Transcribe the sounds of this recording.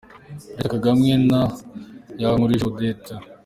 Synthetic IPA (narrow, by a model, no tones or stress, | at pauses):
ɾekaɡamŋenajaŋuɾiʃod̪eta